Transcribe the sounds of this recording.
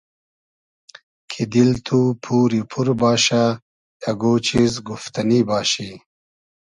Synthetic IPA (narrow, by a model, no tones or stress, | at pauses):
kʰid̪ilt̪ʰupʰuːɾipʰuɾbaːɕa | jɐɡoːt͡ɕizɡuft̪ɐnibaːɕi